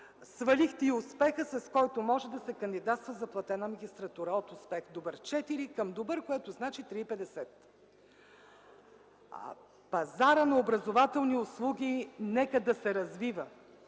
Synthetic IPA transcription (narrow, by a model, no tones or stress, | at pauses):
svɐlʲixt̪ɛiʊspɛxəsɐskɔjt̪ʊmɔʒɛd̪ɐsɛkənd̪id̪at̪st̪vəzɐplˠɐt̪ɛnəmɐɡʲist̪ɾɐt̪uɾəot̪ʊspɛxd̪obəɾt͡ʃɛt̪iɾikəmd̪obəɾkoɛt̪ʊznat͡ʃit̪ɾiːpɛd̪ɛsɛt̪ | pɐzaɾənɐobɾɐzovat̪ɛlˠniʊslˠuɡʲinɛkəd̪ɐsɛɾɐzvivə